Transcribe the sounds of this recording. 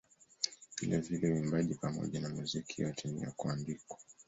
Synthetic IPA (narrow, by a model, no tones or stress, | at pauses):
vilʔavilɛwimbaʄipamɔ̰ʄanamuzikʰiwatʰimḭja̰kuandikwḁ